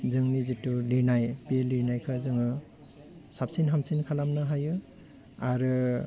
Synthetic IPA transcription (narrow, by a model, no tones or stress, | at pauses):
zɯŋnizituliɾnajpeliɾnajkʰɯzɯŋɯ | sapsinɦamsinkʰalamnɯɦajɯ | aɾɯ